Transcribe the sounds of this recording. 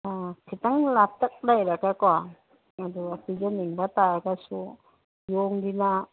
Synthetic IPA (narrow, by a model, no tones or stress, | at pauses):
akʰit̪aŋlap̚t̪ak̚lajɾakakɔa | ad̪ɔapid͡ʒaniŋbat̪aɾakasu | jɔŋdina